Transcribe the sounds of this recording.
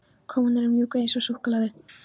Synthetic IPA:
kʰɔwmnɛɾʏmjuːkejnsɔsuhklaðʏ

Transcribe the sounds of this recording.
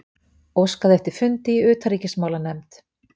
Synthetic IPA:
owskaðɛft̪ɪɾ̥fʏnt̪ɪiʏːt̪ʰaɾiːcɪsmawlanɛmt̪

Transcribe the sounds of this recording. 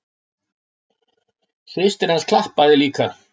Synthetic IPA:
θvɪst̪ɪɾanskʰlahpaðɪliːka

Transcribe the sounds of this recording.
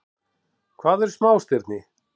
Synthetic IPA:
kʰvaːðɛɾ̥smaːwst̪ɪɾt̪nɪ

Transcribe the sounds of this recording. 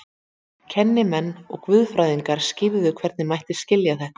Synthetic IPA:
cʰɛnːɪmɛnːɔ̰ɣkvʏðfɾajðiŋkaɾ̥scɪːvðʏkʰv̥ɛɾt̪nɪmajht̪ɪscɪljaθɛhk

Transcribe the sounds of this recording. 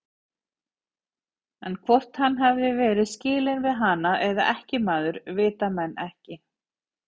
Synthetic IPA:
ɛnkʰvɔr̥t̪hanːɦɛvðɪvɛːɾɪðscɪːlɪnvɪðɦaːnaʔɛða̰ʔɛhcɪmaːðʏɾvɪːt̪amɛnːɛhcɪ

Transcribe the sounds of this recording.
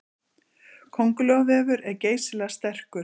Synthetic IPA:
kʰowŋkʏlœɣvɛːvʏɾɛɾceːjslast̪ɛr̥kʏɾ

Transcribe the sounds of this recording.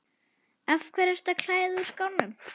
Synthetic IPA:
ɛfkʰvɛɾɛɾ̥st̪akʰl̥aːjðɪuskawnːʏm

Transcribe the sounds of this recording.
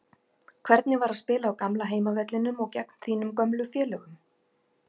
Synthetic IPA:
kʰv̥ɛɾt̪nɪvaɾaðspɪːlaːwkamlaɦeːjmavɛt̪lɪnʏmɔɣcɛkn̥θiːnʏmkœmlʏfjɛːlœɣʏm

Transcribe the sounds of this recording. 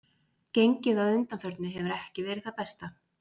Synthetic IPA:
cejɲcɪðaðʏnt̪anfœɾt̪nʏɦɛvʏɾɛhcɪvɛːɾɪðθaðpɛst̪a

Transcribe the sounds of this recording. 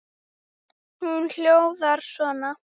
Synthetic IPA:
hunl̥jowðaɾ̥svɔːna

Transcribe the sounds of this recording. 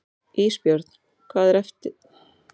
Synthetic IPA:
ʔiːspjoɾt̪n̥ | kʰvaːðɾɛft̪ɪ

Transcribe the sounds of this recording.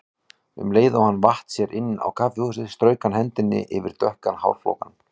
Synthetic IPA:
ʏ̰mleːjðawhanːvaht̪sjɛɾʔɪnːa̰wkʰaːfjosɪst̪ɾœːɥkanhɛnt̪ɪnːɪ̰ʔɪvɪɾ̥t̪œhkanha̰wɾ̥fɔ̰ːkan

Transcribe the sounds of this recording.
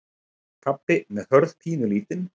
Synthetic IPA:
kʰapːɪmɛðhœɾðpʰiːnʏliːt̪ɪn

